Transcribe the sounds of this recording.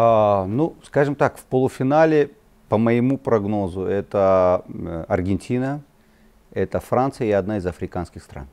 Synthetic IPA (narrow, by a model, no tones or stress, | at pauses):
anuskaʐɨmt̪akfpəlˠʊfʲɪnalʲɪ | pəməɪmupɾɐɡno̞zʊɛt̪ə | ɐrɡʲɪnʲtʲinə | ɛt̪əfɾant̪sɨjəiɐd̪naɪzɐfɾʲɪkanskʲɪxst̪ɾa̰n